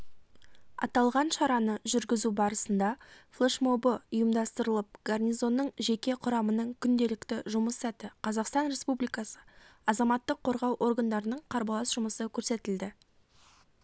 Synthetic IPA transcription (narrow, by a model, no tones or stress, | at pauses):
ɑ̰t̪ɑlˠʁɑnʃɑɾɑnəʒʏɾɡʲɪzubɑɾəsənd̪ɑflˠeʃmo̞bəʊjəmd̪ɑst̪əɾəlˠəp̚ɡ̥arnʲijzo̞nːəɴʒe̞kʲe̞qʰʊɾɑmənəɴkʲʰʏnd̪e̞lɪkt̪ɪʒʊməsːæt̪ɪqʰɑzɑqst̪ɑnɾe̞spublijkɑsə̥ɑzɑmɑt̪ːəqʰːo̞ɾʁɑwʔo̞rɡɑnd̪ɑɾənəɴqʰɑɾbɑlˠɑsʒ̥ʊməsəkʲʰɵɾse̞t̪ɪld̪ɪ